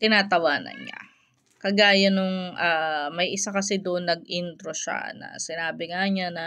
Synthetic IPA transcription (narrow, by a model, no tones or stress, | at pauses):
t̪ɪnaːt̪ɐwaːnɐ̰nɲa̰ | kɐɡaːjɐnʊŋʔaːmɐjʔɪsakɐsɛd̪oʔnːɐɡ̚ʔɪnt̪ɾoʃa̰nɐ̰sɪnaːbɪŋaɲanɐ